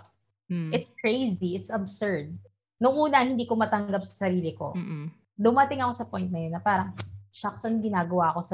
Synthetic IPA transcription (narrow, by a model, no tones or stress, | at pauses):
ʔɪt̪skɹejziɪt̪sɐbsɛɹd̪̚ | nʊŋʔuːnɐhɪnd̪iːkomɐt̪ɐŋɡɐp̚sɐ̥sɐɾiːlɪko̞̰ | d̪ʊmɐt̪ɪŋɐko̞sɐpojnt̪̚nɐjo̞nːɐpaːɾɐŋʃɐksɐnɡɪnaːɡɐwaʔɐko̞sɐ